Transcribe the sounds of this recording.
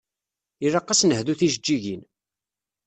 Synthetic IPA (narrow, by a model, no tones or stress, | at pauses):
iɾɑqːɑsnəhðuθiʒəd͡ʒːiʝin